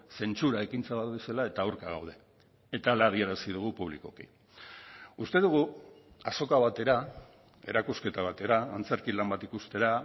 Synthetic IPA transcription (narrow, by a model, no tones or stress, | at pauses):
se̞nt͡suɾae̞kint͡saβat̪βeselae̞t̪aoɾkaɣ̞a̰wð̞e̞ː | t̪alaðieɾasiðuɣ̞upuβlḭko̞kḭ | ust̪e̞ðuɣ̞u | aso̞kaβ̞at̪e̞ɾa | e̞̰ɾakuske̞t̪aβ̞at̪e̞ɾaːnt͡se̞ɾkilambat̪ikust̪e̞ɾa